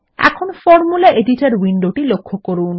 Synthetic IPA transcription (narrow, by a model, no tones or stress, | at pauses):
ɛ̰kʰonfɔɾmulaʔeɖiʈaɾwiɳɖoʈilokʰːokoɾun